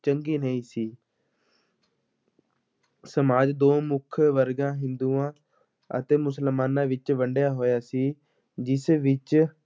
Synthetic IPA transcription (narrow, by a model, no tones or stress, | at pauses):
t͡ʃəŋɡiːnəĩːsiː | səmaːd͡ʒd̪oːmʊkʰʋəɾɡãːɦɪ̃nd̪uːãː | ə̰t̪eːmʊsəlmaːnãːʋɪt͡ʃʋəɳɖjaːɦoːjaːsiː | d͡ʒɪsʋɪt͡ʃ